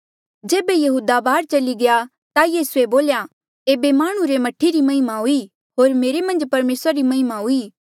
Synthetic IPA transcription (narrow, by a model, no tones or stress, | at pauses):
d͡ʒeːbejɐɦuːd̪abaːɾt͡ʃɐliɡɐja | t̪ajiːsueboːlja | eːbemaːɽ̃ũɾemɐʈʰːiɾimɐɦɪmaɦui | ɦoːɾmeːɾemɐ̃nd͡ʒpɐɾmeːsɾaɾimɐɦɪmaɦuiː